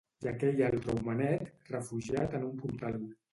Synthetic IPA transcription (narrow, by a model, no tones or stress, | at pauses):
jakɛʎalˠt̪ɾəwmənɛt̪rəfuʒiat̪ənumpuɾt̪alˠ